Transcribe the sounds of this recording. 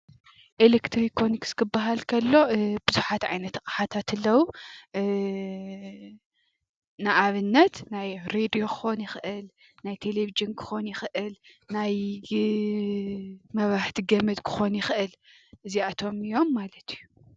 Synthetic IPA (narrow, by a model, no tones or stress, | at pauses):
ʔelekt̪ʰɾikʰːonikskʰɨbːaɦalkʰɐlːo̞bɨzuħat̪ʕa̰jnɐt̪kʼaħat̪ʰat̪ʰɨlːɐwu | naʔaβɨnːɐt̪najɾed̪ijo̞kʰɨ̥xo̞njɪxʔɨl | najt̪ʰelevid͡ʒɨnkʰɨ̥xo̞njɪxʔɨlnaj | mɐβaħt̪ʰiɡɐmɨd̪kʰɨ̥xo̞njɪxʔɨl | ʔɨziat̪ʰo̞mɨjo̞mːalɐt̪ʰiju